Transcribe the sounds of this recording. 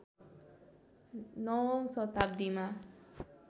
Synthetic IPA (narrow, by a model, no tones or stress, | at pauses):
nɔmsɔt̪ab̚d̪ima